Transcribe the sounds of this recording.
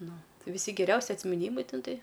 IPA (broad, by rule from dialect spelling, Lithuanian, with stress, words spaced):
ˈnʊ ʋʲɪˈsʲɪ ɡʲɛˈrʲɛʊsʲɪ ɐtʲsʲmʲɪˈnʲiːmɐɪ ˈtʲɛn ˈtɐɪ